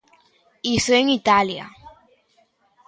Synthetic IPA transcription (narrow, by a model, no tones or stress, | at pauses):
isoeŋit̪alja̰